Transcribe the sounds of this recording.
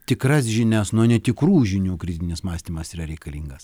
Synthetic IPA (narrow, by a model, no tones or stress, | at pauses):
t̪ʲɪkɾɐs̬ʒʲɪnʲæsnuɔnʲɛt̪ʲɪkɾuːʒʲɪnʲuːkɾʲɪd̪ʲɪnʲɪsmɑːsʲt̪ʲiːmɐsiːɾɐɾʲɛɪkɐlʲiːŋɡɐs